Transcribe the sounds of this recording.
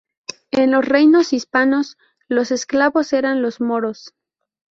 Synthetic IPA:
e̞nlo̞sre̞jno̞sispano̞s | lo̞se̞sklaβo̞se̞ɾanlo̞zmo̞ɾo̞s

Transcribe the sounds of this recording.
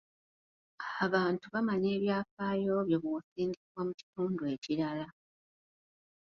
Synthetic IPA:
βaːntuβamaɲe̞ːβjaːfaːjo̞ːβjo̞βosiːndiβwamuci̥tuːndue̞ːciɾala

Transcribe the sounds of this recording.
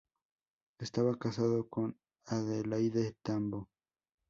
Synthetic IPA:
est̪aβakasaðokon | aðelajðet̪ambo

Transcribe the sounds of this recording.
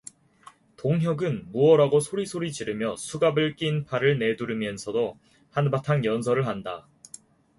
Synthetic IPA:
toŋɦjʌɡɯnmuʌɾaɡosʰoɾisʰoɾit͡ɕɯɾɯmjʌsʰuɡabɯɭk͈inpʰaɾɯɭne̞duɾɯmjʌnsʰʌdo | hanbatʰanjʌns̬ʰʌɾɯɭɦanda

